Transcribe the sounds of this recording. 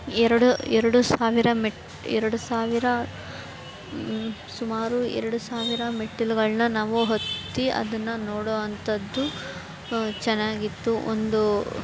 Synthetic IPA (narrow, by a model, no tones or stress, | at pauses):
ɛɾɐɽuɛɾɐɽusaːʋiɾɐmʈ | ɛɾɐɽusaːʋiɾɐ | sumaːɾuɛ̰ɾɐɽusaːʋiɾɐmeʈːilɡɐɭnɐnaːʋuɦot̪ːiɐ̰d̪ɐnːɐnɔːɽoːɐnt̪ɐd̪ːu | t͡ʃɛnːaːɡit̪ːuo̰nd̪u